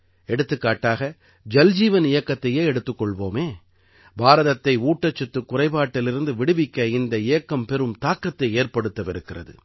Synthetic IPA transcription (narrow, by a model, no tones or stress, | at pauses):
ɛɽɯt̪ːɯkːaːʈːaːɣɐ | d͡ʒɐld͡ʒiːʋɐnɪjɐkːɐt̪ːɐjeːɛɽɯt̪ːɯkːɔɭʋoːmeː | bʱaːɾɐðɐt̪ːɐɪuːʈːɐt͡ʃːɛt̪ːɯkːʊrɐɪpaːʈːɪlɪɾɯnd̪ɯʋɪɽɯʋɪkːɐɪnd̪ɐɪjɐkːɐmpɛɾɯmt̪aːkɾɐt̪ːɐɪeːrpɐɽɯt̪ːɐʋɪɾɯkːɪrɐ̰ðɯ̰